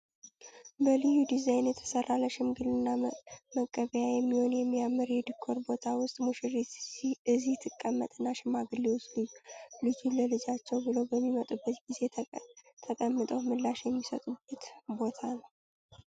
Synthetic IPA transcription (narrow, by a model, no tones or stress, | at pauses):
bəlɨjud̪izajnjɛt̪ʰə̥sərːaləʃɪmɡɨlɨnːaməkʼːəβəjajɛmːiho̞njɛmːiamːɨɾjɛd̪ɨkʰːoɾbo̞t̪ʰawʊst̪ʼmuʃɪriɨziht̪ʰɨkʼːəmːət̪ʼɨnːaʃɪmaɡɨlːewoslɨjlɨd͡ʒuləlɨd͡ʒat͡ʃːɛwbɨləwbəmːimət̪ʼubːət̪ɡize̞t̪ʰəkʼəmːɨt̪ʼəwmɨlːaʃjɛmːisət̪ʼub̥ət̪bo̞t̪ʰanəw